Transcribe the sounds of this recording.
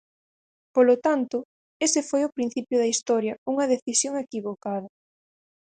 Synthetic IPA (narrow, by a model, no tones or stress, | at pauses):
polot̪ant̪ʊ | esɪfojopɾin̟θipjʊðɐist̪ɔɾjɐuŋɐðeθisjoŋekiβokaðɐ